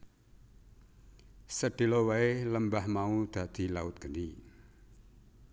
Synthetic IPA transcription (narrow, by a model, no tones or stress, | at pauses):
səɖ̥e̤lowaeləmbahmaud̪̥ä̤d̪̥i̤laʊt̪̚ɡ̥əni